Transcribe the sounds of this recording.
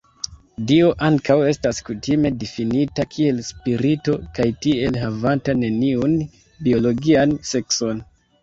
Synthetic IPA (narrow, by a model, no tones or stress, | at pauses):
dio̞ʔaŋkawe̞staskutime̞difinitakʰie̞lspiɾito̞kajtie̞lɦavantane̞niun | bio̞lo̞ɡianse̞kso̞n